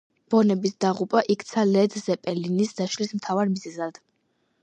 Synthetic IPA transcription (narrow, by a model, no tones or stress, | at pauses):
b̥ɔnɛbisd̪aʁupʼaʔikʰt̪sʰalɛd̪zɛpʼɛlinisd̪aʃlismt̪ʰavaɾmizɛzad̪̥